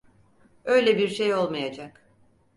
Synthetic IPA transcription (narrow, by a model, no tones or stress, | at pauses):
ø̞jlʲɛbiɾʃe̞jo̞lˠmajad͡ʒak